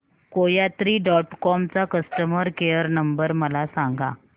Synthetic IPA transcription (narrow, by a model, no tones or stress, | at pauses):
kojat̪ɾiːɖɔʈkɔmt͡sakəsʈəməɾkejəɾnəmbəɾməlasãŋɡa̰